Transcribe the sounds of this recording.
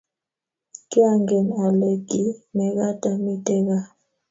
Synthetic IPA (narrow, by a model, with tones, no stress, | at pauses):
kʼi˦a˦ŋɡɛ˨na˨le˨ɡi˦mɛ˨ka˦ta˨mi˦tʼɛ˦ka˦